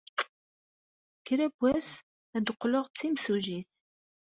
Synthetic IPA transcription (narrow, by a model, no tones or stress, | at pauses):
kːɾæbːæs | æd̪əqːloʁt͡sːimsuʒiθ